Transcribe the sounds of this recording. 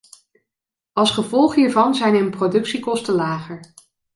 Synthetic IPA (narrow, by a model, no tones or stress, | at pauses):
ɑlˠsχəvɔlˠχɦiːɹvɑnzɛjnənprodɵksikɔstəlaːχəɹ